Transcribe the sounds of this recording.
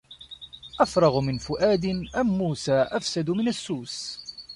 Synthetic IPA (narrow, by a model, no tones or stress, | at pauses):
ʔafɾˤɑɣmɪnfʊʔaːd̪ɪnʔamːuːsaːʔafsad̪mɪnasːuːs